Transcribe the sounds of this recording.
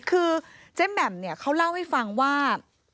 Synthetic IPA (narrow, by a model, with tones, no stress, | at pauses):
kʰɯː˧t͡ɕe˥˩mːɛ˨˩mni˥˩ɐkʰa˦˥wla˥˩wha˥˩jfa˧ŋwaː˥˩